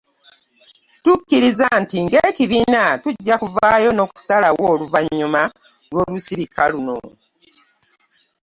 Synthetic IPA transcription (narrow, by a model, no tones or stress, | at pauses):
tukːiɾizantiŋɡeːciβiːnatuɟːakuvaːjo̞no̞ːku̥salawo̞ːluvaɲːuma | lwo̞ːlusiɾikʰaluno̞̰